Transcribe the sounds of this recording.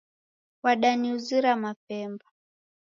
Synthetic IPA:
waɗaniuziɾamapɛmba

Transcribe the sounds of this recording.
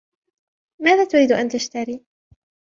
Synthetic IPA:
maːðaːt̪ʊɾiːd̪ʔant̪aʃt̪aɾiː

